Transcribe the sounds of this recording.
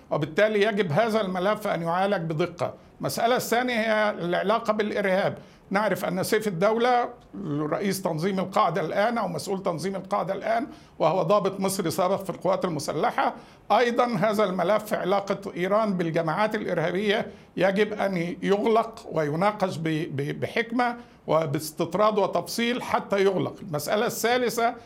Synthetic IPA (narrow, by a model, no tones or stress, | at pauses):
wɪbɪt̪ːæːliːjæɡɪbɦaːzælmælæfːʔæ̰njʊʕaːlɪɡ̚bɪd̪ˤɨqːɑ̰ | mæsʔalaθːæːnjhɪjːælʕelɑːqɑbɪlʔɪɾhæːb | neʕɾɪfʔæ̰nːæseːfɪd̪ːæwlæ | rˤɑ̰ʔiːst̪ɑnzˤiːmalqɑʕd̪ælʔæːnʔæwmæsʔuːlt̪ɑnzˤiːmɪlqɑʕd̪alʔæːn | wɪhowæd̪ˤɑːbɨt̪ˤmɨsˤɾisɑːbɪqfilqowːæːt̪almʊsa̰lːaħa | ʔɑjd̪ˤɑnɦæːzælmælæfːiʕelɑːqɑʔiːɾˤɑːnbɪlɡæmaːʕaːt̪ɪlʔɪɾhæːbɪjːæ | jæɡɪbʔæ̰njoɣlɑqwɪjʊnɑːqɑʃbbbɪħɪkmæ | wɪbɪst̪ɨt̪ˤɾˤɑːd̪ˤwɪt̪ɑfsˤiːlħat̪ːæjoɣlɑqɪlmæsʔa̰læsːæːlɪsæ